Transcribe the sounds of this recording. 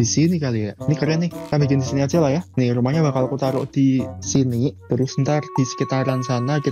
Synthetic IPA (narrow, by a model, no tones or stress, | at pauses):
d̥isinikalijaʔnikərjanɪh̪abikɪnd̪isiniḁd͡ʒalahjahnɪɾumahɲabakalokut̪aɾʊʔd̪̥isinit̪əɾʊsnt̪ard̪̥isə̥kit̪aɾansanaki